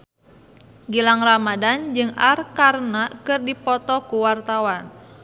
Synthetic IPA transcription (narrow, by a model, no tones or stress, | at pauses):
ɡilaŋramadand͡ʒɨŋa̰rkarnakɨrdipɔt̪ɔkuwart̪awan